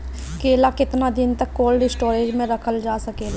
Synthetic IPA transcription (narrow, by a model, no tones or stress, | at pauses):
keːlakɪt̪nad̪ɪnt̪əkːoːlɖɪsʈoːɾeːd͡ʒmẽɾəkʰəld͡ʒaːsəkeːla